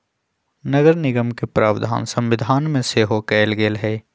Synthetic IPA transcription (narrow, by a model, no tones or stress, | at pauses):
nəɡəɾnɪɡəmkepɾʔaːʋd̪ʱa̰ːnsɐ̃mʋɪd̪ʱaːnmẽseɦokɛːlɡeːlɦɛː